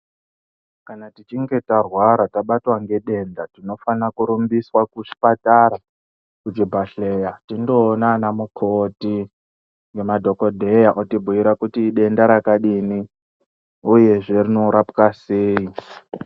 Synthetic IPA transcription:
kanatit͡ʃiŋɡe̞tarwaɾataɓatwaŋɡe̞ɗe̞ndatino̞fanakuɾumbiswakut͡ʃi̥pataɾa | kut͡ʃibʱaɬejatindo̞ːnanamukʰoti | ŋɡe̞madʱo̞ko̞dʱejaʔotibʱuiɾakutiɗe̞ndaɾakaɗini | uje̞ʐe̞rinoɾapkaseːi

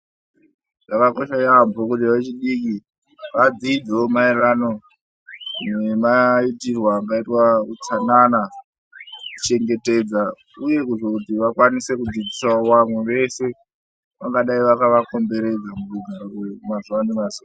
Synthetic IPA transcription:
ʐakako̞ʃajambokutaʋet͡ʃiɗiki | ʋad͡zid͡zeomaeɾano | nemaitirwaːŋɡaitwakut͡sanana | ku̥t͡ʃe̞ŋɡe̞te̞d͡za | uje̞kuʐokutiʋakwanise̞kud͡zid͡zisaowamwe̞ʋe̞se̞ | ʋaŋɡaɗaiʋakaʋako̞mbe̞ɾe̞d͡zamuruɡʱaɾorwemazuanimazua

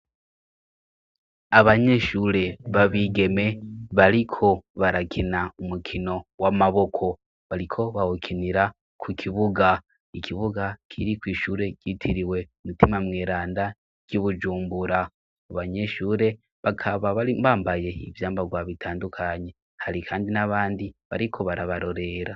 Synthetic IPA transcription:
aβaɲe̞ʃuːɾe̞βaβiɡe̞me̞βaɾikʰo̞βaɾakʰinaumukʰino̞wamaβo̞kʰo̞ | βaɾikʰo̞βahokʰiniɾa | kʰukʰiβuɡa | ikʰiβuɡakʰiɾikwiːʃuːɾe̞ɟ̥itʰiɾiwe̞umitimamŋeːɾaːnda | ɟ̥uβud͡ʒuːmbuɾa | aβaɲe̞ʃuːɾe̞ | βakʰaβaβibaːmbaje̞ḭvjaːmbaɡwaβitʰaːndukʰaɲe̞ | haɾikʰaːndinaβaːndiβa̰ɾikʰo̞βaɾaβaɾo̞ɾe̞ɾa

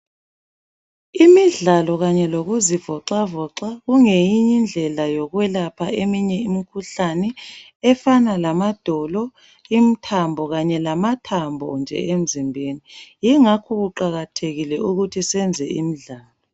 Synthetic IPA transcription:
imiɮalɔɣaɲɛloɣuzivɔǁavɔǁaɣuŋejiɲind͡ɮʱɛlajɔɣwɛlapʰaemiɲɛimikʰuɬanɛ | ɛfanalamad̥ʱɔlɔ | im̩tʰambʱɔɣaɲɛlamatʰambʱɔ̰nd͡ʒʱɛ̰em̩zimbʱenijiŋakʰɔɣuǃaɣatʰeɣilɛuɣutʰisɛnd͡zʱɛ̰ʔimiɮaːlɔ

